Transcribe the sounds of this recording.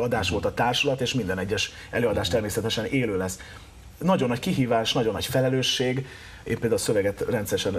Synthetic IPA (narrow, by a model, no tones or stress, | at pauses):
ɒd̪aːʃʋo̞lt̪ɒt̪aːrʃulɒt̪eːʃmind̪ɛnɛɟːɛʃ | ɛløːɒd̪aːʃt̪ɛrmeːsɛt̪ɛʃɛneːløːlɛs | nɒɟo̞nːɒckiɦiːvaːʃnɒɟonːɒ̰cfɛlɛløːʃːeːɡ | ḛːmpeːld̪aulsøvɛɡɛt̪rɛnt̪sɛɾɛʃɛn